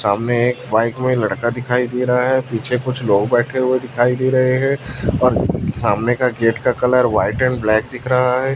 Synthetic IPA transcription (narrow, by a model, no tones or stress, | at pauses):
saːmneeːkbaːɪkmẽlɐɽkad̪ɪkʰaːid̪eːɾɐɦaɦɛːpiːt͡ʃʰekʊt͡ʃʰloːɡbɛːʈʰeɦʊed̪ɪkʰaːid̪eːɾɐɦeɦɛ̃ːɔːɾsaːmnekaɡeːʈkakɐləɾʋaːɪʈɛ̃ɳblɛːk̚d̪ɪkʰɾɐɦaɦɛː